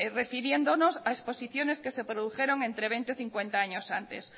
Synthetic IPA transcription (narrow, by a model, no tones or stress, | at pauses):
refiɾjend̪onosaesposiθjoneskesepɾoðuxeɾoŋẽnt̪ɾeβent̪eoθiŋkwent̪aaɲosant̪ḛs